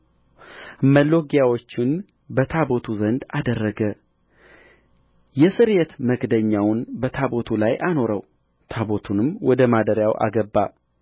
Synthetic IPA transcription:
məlːo̞ɡjawo̞t͡ʃːɪn | bət̪ʰabo̞t̪ʰuzənd̪ad̪ərːəɡə | jɛsɨɾjɛt̪məɡd̪əɲːawnbət̪ʰabo̞t̪ʰulajʔano̞ɾə̰w | t̪ʰabo̞t̪ʰunɨmwɔd̪əmad̪əɾjawʔa̰ɡəbːa

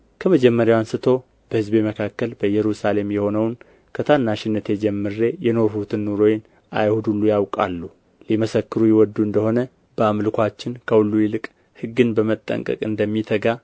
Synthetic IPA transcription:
kʰəməd͡ʒɛmːəɾjawansɨt̪ʰo̞ | b̥əhɨzbeməkʰakːəlbəjɛɾusale̞mjɛho̞nəwn | kʰət̪ʰanːaʃɪnːət̪jed͡ʒɛmːɨɾːe̞jɛno̞ɾhut̪ʰɨnːuɾo̞jɪn | ʔa̰jhud̪ulːujawkʼa̰lːu | liməsəkːɨɾujɪwɔd̪ːuɨnd̪əho̞nə | bəamlkʷat͡ʃːɪnkʰəwulːujɪlɨkʼ | hɨɡːɨnbəmət̪ʼːə̰ŋkʼə̰kʼɨnd̪əmːit̪ʰəɡa

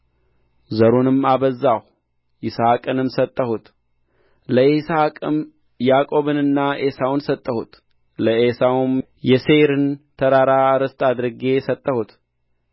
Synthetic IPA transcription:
zəɾonɨmaβəzːaw | ɪsakʼɨnɨmsət̪ʼːəhut̪ | ləisakʼɨm | jakʼo̞βɨnɨnːaʔesawnsət̪ʼːəhut̪ | ləesawum | jɛseɾɨnt̪ʰəɾaɾaɾɨst̪ʼad̪ɾɨɡe̞sət̪ʼːəhut̪

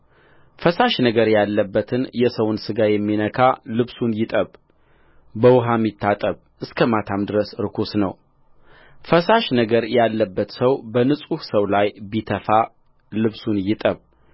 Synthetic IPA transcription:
fəsaʃnəɡəɾjalːəbːət̪ʰɨnjɛsəwnsɨɡajɛmːinəkʰalɨβsunjɪt̪ʼəβ | bəwʊɦamːit̪ʰːat̪ʼəβ | ʔɨskʰəmat̪ʰamd̪ɨɾəsɾɨkʰosnə̰w | fəsaʃnəɡəɾjalːəbːət̪səwbənɨsʼuhsəwlajbit̪ʰəfa | lɨβsunjɪt̪ʼəβ

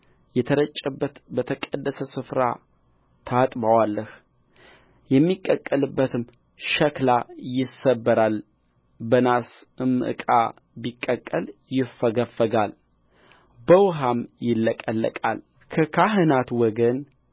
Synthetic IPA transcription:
jɛt̪ʰəɾət͡ʃʼːəbːət̪bət̪ʰəkʼəd̪ːəsəsɨfɾa̰ | t̪ʰat̪ʼbawalːəh | jɛmːikʼːəkʼːəlɨbːət̪ʰɨm | ʃəklajɪsəbːəɾal | bənas | ɨmːɨʔɨ̰kʼa̰ | bikʼːəkʼːəljɪfəɡəfːəɡal | bəwɦamjɪlːəkʼəlːə̰kʼa̰l | kʰəkʰaɦɨnat̪wɔɡən

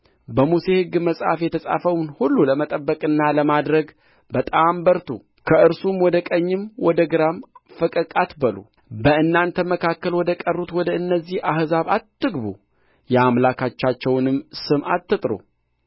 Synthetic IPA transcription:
bəmuse̞hɨɡːməsʼa̰fjɛt̪ʰəsʼa̰fəwnhulːuləmət̪ʼəbːəkʼɨnːaləmad̪ɾəɡ | bət̪ʼambəɾt̪ʰu | kʰəʔɨɾsumwɔd̪əkʼəɲːɨmwɔd̪əɡɨɾamfɨkʼəkʼat̪bəlṵ | bəɨnːant̪ʰəməkʰakːəlwɔd̪əkʼərːut̪wɔd̪əɨnːəzːihahzaβat̪ːɨɡbu | jɛamlakʰat͡ʃːat͡ʃːɛwnɨmsɨmat̪ːɨt̪ʼɾṵ

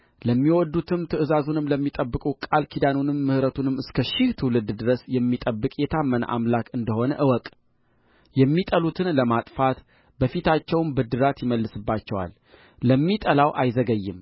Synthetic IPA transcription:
ləmːiwɔd̪ːut̪ʰɨmt̪ʰɨʔɨzazunɨmləmːit̪ʼəbːɨkʼukʼalkʰid̪anunɨmːɨhɾət̪ʰunɨmɨskʰəʃɪht̪ʰɨwlɨd̪d̪ɨɾəsjɛmːit̪ʼəbːɨkʼjɛt̪ʰamːənʔa̰mlakɨnd̪əho̞nə̰ʔɨwɔkʼ | jɛmːit̪ʼəlut̪ʰɨnləmat̪ʼfat̪ | bəfit̪ʰat͡ʃːɛwnbɨd̪ɨɾat̪jɪməlːɨsɨbːat͡ʃːɛwa̰lː | əmːit̪ʼəlawʔajzəɡəjːɪ̰m

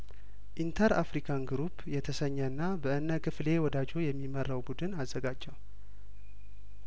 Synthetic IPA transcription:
ʔint̪ʰəɾa̰fɾikʰanɡɾupjɛt̪ʰəsəɲːəɨnːabəʔɨnːəkʰɨfle̞wɔd̪ad͡ʒo̞jɛmːimərːəwbud̪ɨnazːəɡad͡ʒːəw

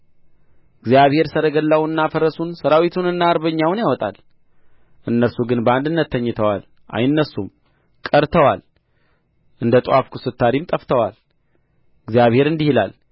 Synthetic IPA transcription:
ɨɡzjaβhe̞ɾsəɾəɡəlːawɨnːafəɾəsunsəɾawit̪ʰunɨnːaːɾβəɲːawnjawɔt̪ʼa̰l | ʔɨnːəɾsuɡɨnbəand̪ɨnːət̪ʰːəɲːɪt̪ʰəwa̰l | ʔa̰jɨnːəsum | kʼəɾt̪ʰəwal | ʔɨnd̪ət̪ʼafkʰusɨt̪ʰːaɾimt̪ʼəft̪ʰəwal | ɨɡzijaβhe̞ɾɨnd̪ihila̰l

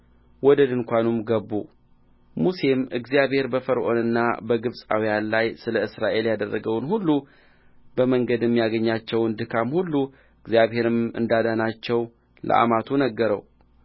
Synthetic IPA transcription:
wɔd̪əd̪ɨŋkʷanumɡəbːu | muse̞mʔɨɡzijaβhe̞ɾbəfəɾʔo̞̰nɨnːa̰bəɡɨβsʼa̰wijanlajsɨləɨsɾaʔe̞ljad̪ərːəɡəwnhulːu | bəməŋɡəd̪jɛmːijaɡəɲːat͡ʃːɛwɨnd̪ɨkʰamhulːu | ɨɡzijaβhe̞ɾɨmɨ̰nd̪ad̪anat͡ʃːɛw | lə̰ʔa̰mat̪ʰunəɡːəɾəw

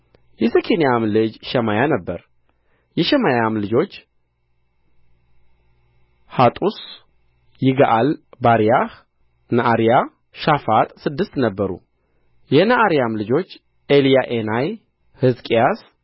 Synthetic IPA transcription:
jɛsəkʰenijamlɨd͡ʒʃɛmajanəbːəɾ | jɛʃɛmajamlɨd͡ʒo̞t͡ʃː | hat̪ʼus | jɪɡaʔalbaɾijah | naʔaɾija | ʃafat̪ʼsɨd̪ːɨst̪nəbːəɾṵ | jɛnaʔaɾjamlɨd͡ʒo̞t͡ʃː | ʔelijaʔenaj | hɨzkʼijas

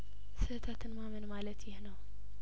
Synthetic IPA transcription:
sɨt̪ʰat̪ʰɨnmamɨnmalɐt̪jɪhnɐw

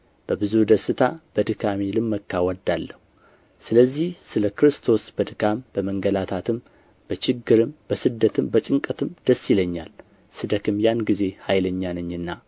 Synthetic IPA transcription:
b̥əbɨzud̪əsɨt̪ʰab̥əd̪ɨkʰamilɨmːəkːawɔd̪alːəhu | sɨləzːihsɨləkɾɨst̪ʰo̞sb̥əd̪ɨkʰambəməŋɡəlat̪ʰat̪ʰɨm | b̥ət͡ʃɪɡːɨɾɨmb̥əsɨd̪ːət̪ʰɨmbət͡ʃʼɨŋkʼət̪ʰɨmd̪̥əsːiləɲːa̰l | sɨd̪əkɨmjanɡize̞hajləɲːalɨɲːɨnːa

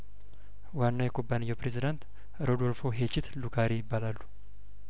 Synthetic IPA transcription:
wanːajɛkʰʼo̞bːanɨjːɛwpɾezid̪ant̪ | ɾʔo̞d̪o̞lfo̞ɦet͡ʃːɪt̪lukʰaɾijɪbːalalːu

